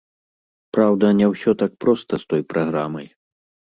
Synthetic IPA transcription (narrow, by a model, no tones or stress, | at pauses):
pɾawd̪ɐnʲɛwsʲɔt̪ak̚pɾɔst̪ɐst̪ɔjpɾaɣɾamɐj